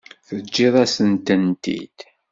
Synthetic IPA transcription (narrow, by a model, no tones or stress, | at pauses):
θəd͡ʒːiðˤæsənt̪ənt̪ḭd̪̥